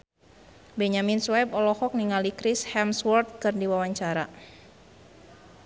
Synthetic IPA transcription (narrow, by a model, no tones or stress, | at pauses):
bɛɲaminswɛbɔlɔhɔk̚niŋalikɾishɛmswɔrt̪̚kɨrdiwawaɲt͡ʃaɾa